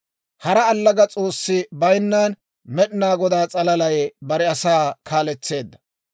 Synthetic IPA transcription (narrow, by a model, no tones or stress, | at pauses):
hɐɾɐːlːɐɡɐt͡sʼo̞ːsːɪbɐjnːaːn | mɛɗɪnaːɡɔd̪aːt͡sʼɐlɐlɐjbɐɾɛɐsaːkʰaːlɛt͡sːe̞ːd̪ːɐ̥